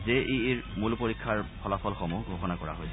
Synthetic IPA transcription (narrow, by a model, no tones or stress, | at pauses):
zeʔiːɹmulpoɹikʰːaɹpʰɔlapʰɔlxɔmuɡʱoxɔnakɔɹa̰ɦojsɛ